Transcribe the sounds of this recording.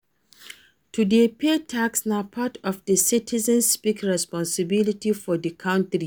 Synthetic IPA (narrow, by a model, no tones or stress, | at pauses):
tʰudepʰetʰaksnapʰatɔfdəsitʰizə̃nspikɹɛspɔ̃nsəbilitifɔdəkʰãʊ̃ntɾi